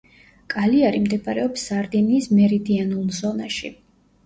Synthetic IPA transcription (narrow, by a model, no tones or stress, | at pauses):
kʼaliaɾimd̪ɛpʼaɾɛɔpsːaɾd̪iniːsmɛɾid̪ianulˠzɔnaʃḭ